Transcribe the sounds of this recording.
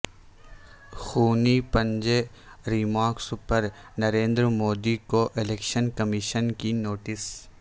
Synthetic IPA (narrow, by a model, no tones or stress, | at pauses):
xuːnipɐ̃ɲd͡ʒe | ɾimaːɾksʊpəɾ | nɐɾẽːnd̪ɾmoːd̪ikoʔɪleːkʃənkɐmɪʃənkinoːʈɪs